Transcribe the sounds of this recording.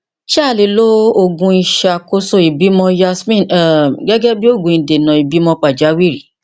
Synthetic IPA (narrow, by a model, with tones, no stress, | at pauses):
ʃa˦˨le˨lo˦o˧ɡũ˧i˧ʃa˧ko˦so˧i˨bi˨˦mɔ̃˧ja˦˧smĩ˦˨nɛ˨ɡɛ˦ɡɛ˦bi˦o˦˨ɡũ˨ĩ˨de˨nã˨i˨bi˨˦mɔ̃˧k͡pa˨d͡ʒa˨˦wi˦˨ɾi˨˦